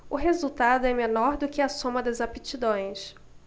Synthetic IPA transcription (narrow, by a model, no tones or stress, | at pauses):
ʊɦezut̪ad̪ʊɛmenɔɾd̪ʊkɪɐsõmɐd̪ɐzapit͡ʃid̪õj̃s